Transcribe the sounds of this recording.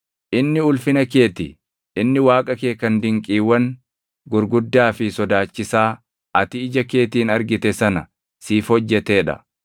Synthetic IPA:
ʔɪnːɪʊlfɪnɐke̞ːt̪ɪ | ʔɪnːɪwaːkʼɐke̞ːkːɐnd̪ɪŋkʼiːwːɐŋ | ɡʊɾɡʊd̪ːaːfɪsɔd̪aːt͡ʃːɪsaː | ɐt̪ɪɪd͡ʒɐke̞ːt̪iːnɐɾɡɪt̪ɛsɐnɐ | siːfhɔd͡ʒːɛt̪e̞ːᶑɐ̰

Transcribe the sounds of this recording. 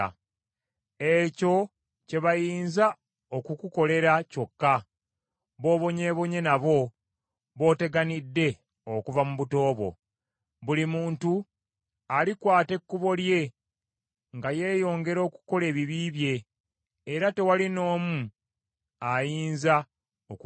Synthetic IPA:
e̞co̞ | ce̞βajiːnza | o̞kukuko̞le̞ɾaco̞kːa | βo̞ːβo̞ɲe̞ːβo̞ɲe̞naβo̞ | βo̞ːte̞ɡanidːe̞ | okuvamuβuto̞ːβo̞̰ | βulimuːntu | alikwaːte̞kːuβo̞lje̞ | ŋɡaje̞ːjo̞ːŋɡe̞ɾo̞ːku̥ko̞le̞ːβiβiːβje̞ː | ɾate̞walino̞ːmu | ajiːnza | ok

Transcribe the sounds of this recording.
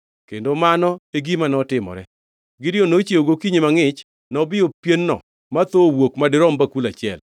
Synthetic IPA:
kendomanɔeɡimanɔtɪmɔ̰ɾɛ̰ | ɡɪdɪonot͡ʃjeoɡokiɲemaŋɪt͡ʃ | nɔbɪjopjenːɔ̰ | mat̪owokmadɪɾɔmbakulat͡ʃɪɛl

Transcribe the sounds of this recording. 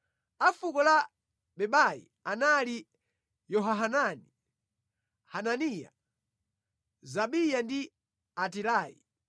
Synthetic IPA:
afukɔla | ɓɛɓajḭ | anali | jɔɦaɦanani | hananija̰ | zaɓijandi | atilaːjḭ

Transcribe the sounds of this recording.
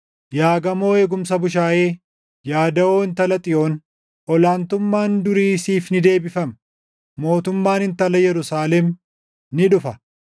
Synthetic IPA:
jaːɡɐmo̞ːe̞ːɡʊmsɐbʊʃ̬aːʔe̞ː | jaːd̪ɐoːɪnt̪ɐlɐt̪ʼɪjo̞ːn | ʔɔlaːnt̪ʊmːaːnd̪ʊɾiːsiːfnɪd̪e̞ːbɪfɐm | mo̞ːt̪ʊmːaːnɪnt̪ɐlɐjɛɾʊsaːlɛm | nɪᶑʊfɐ

